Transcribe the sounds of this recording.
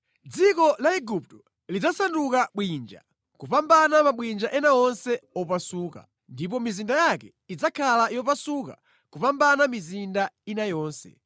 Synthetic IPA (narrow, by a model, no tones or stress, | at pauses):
d͡zikɔlaiɡup̚tɔ̥ | lid͡zasandukaɓwind͡ʒa̰ | kupambanamaɓwind͡ʒaʔɛnaɔnsɛɔpasuka̰ | ndip̬ɔmizindajakɛ | id͡zakʰalajɔp̬asuka̰ | kupambanamizindainajɔːnsɛ̰